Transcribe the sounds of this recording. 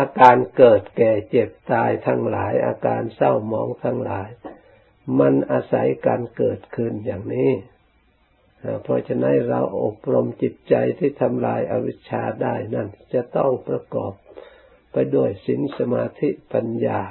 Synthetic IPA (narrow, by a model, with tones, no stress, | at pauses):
ʔaː˧kaː˧nkɤː˨˩t̪̚kɛː˨˩t͡ɕe˨˩p̚t̪aː˧jt̪ʰa˧ŋlaː˩˦jʔa̰ː˧kaː˧nsa˥˩wmɔː˧˦ŋt̪ʰa˧ŋlaː˨˦j | ma˧nʔaː˧sa˨˩˦jkaː˧nkɤː˨˩t̪̚kʰɯ˧˩njaː˨˩ŋniː˦˥ | ʔa˧˩pʰɔ˧t͡ɕʰa˧na˦˥nɾa̰˧wʔo˨˩p̚ɾo˧mt͡ɕi˨˩t̪̚t͡ɕa˧jt̪ʰiː˥˩t̪ʰa˧mlaː˧jʔa˧wi˦˥t̪̚t͡ɕʰaː˧daː˥˩jna˥˩nt͡ɕa˨˩t̪ɔ˥˩ŋpɾa˧kɔ̰ː˨˩p̚ː | a˧jdu˥˩əjsi˨˦nsa˧maː˧t̪ʰi˦˥pa˧njaː˧